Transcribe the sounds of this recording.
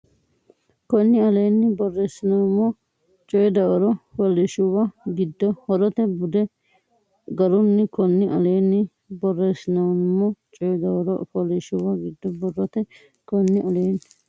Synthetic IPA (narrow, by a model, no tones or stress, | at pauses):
kɔnːɪɐleːnːɪbɔrːesɪnɐwmːɔ | t͡ʃʼɔjɛd̪ɐwɐɾɔfɔlɛʃʊwɐɡɪd̪ːɔhɔɾɔt̪ɛbʊd̪ɛ | ɡɐɾʊnːɪkɔnːɪʔɐleːnːɪ | bɔrːeːsɪnɐwmːɔt͡ʃʼɔjɛd̪ɐwɐɾɔ̰fɔlɛʃʊwɐɡɪd̪ːɔbɔrːɔt̪ɛ | kɔnːɪʔɐleːn